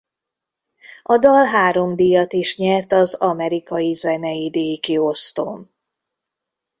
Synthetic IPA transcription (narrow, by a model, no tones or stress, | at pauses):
ɒd̪ɒlɦaːɾo̞md̪ijɒt̪iʃɲɛrt̪ɒzɒmɛɾikɒjizɛnɛjid̪eːkio̞st̪o̰ːm